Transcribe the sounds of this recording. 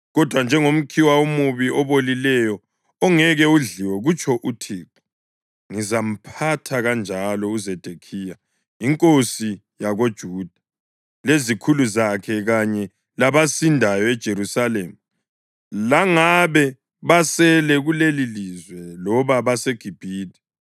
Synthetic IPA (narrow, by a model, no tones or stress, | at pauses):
ɣɔd̥ʱwand͡ʒʱɛŋom̩kʰiwaumuβiʔɔβolilɛjɔ | ɔŋɛɣɛuɮiwɛɣut͡ʃʰʼɔʔutʰiːǁu̥ | ŋizam̩pʰatʰaɣand͡ʒʱalɔuzɛd̥ʱekʰija | iŋkʼosi | jaɣod̥ʒ̥ʱuːd̥ʱa | lezikʰuluzakʰɛɣaɲɛ | laβasindʱajɔɛd̥ʒ̥ʱeɾusaleːmu | laŋaβɛ | βasɛlɛɣulelilizwɛlɔβaβasɛɡ̥ʱib̥ʱiːdʱi̥